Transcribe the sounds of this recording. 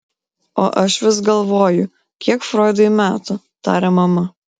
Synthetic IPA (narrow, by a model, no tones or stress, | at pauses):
oːʔɐʃʋʲɪs̬ɡɐlˠʋoːjʊ | kʲiɛkfɾoːɪd̪ɐmʲæːt̪ʊ | t̪ɑ̰ːɾʲɛmɐmɐ